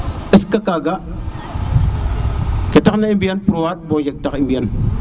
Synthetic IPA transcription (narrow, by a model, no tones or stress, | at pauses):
iskakaɡa | ketaknaibijanpuɾuwat̚bɔd͡ʒek̚takimbijan